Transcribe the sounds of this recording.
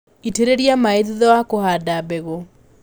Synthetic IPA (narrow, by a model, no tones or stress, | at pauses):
iteɾeɾjamaeðiðɔwakohadabɛɣo